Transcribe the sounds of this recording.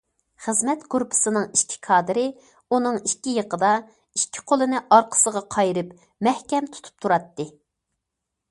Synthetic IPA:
χɨzmɛt̪ɡuɾpʰɨ̥sɨnɨŋiʃt̪ʲʰi̥kʰɑːd̪ɨɾɪ | unɨŋikʲːijəqʰəd̪ɑ | ikʲʰːi̥ɪ̥qʰolˠɨnɨʔɑɾqʰə̥səʁɑqʰɑjɾɪp | mɛhkʲɛmt̪ʰu̥t̪ʰu̥p̚t̪ʰuɾɑt̪ːɨ

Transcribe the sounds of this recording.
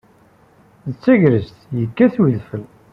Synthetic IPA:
ðət͡sːæʝɾəst̪jəkːæθwiðfəl

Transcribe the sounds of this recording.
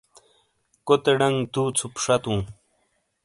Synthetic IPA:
kot̪eɽɐŋɡd̪uːt͡sʰupʂat̪ũː

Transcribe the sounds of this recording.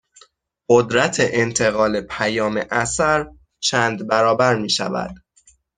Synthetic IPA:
ɢod̪ɾæt̪ʰeʔent̪ʰe̞ɣɒːle̞pʰæjɒːme̞ʔæsæɾ | t͡ʃʰæːnd̪bæɾɒːbæɾmiːʃæ̰væ̰d̪̥

